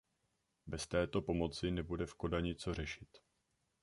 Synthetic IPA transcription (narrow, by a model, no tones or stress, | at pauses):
bɛst̪ɛːt̪o̞po̞mo̞t͡sɪnɛbudɛfko̞daɲɛt͡so̞r̝ɛʃɪt̪